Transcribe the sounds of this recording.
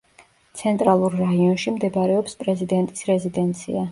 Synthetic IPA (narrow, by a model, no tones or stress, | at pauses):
t̪sʰɛnt̪ʼɾalˠuɾːaiɔnʃimd̪ɛbɾɛɔpspʼɾɛzid̪ɛnt̪ʼisɾɛzid̪ɛnt̪sʰḭa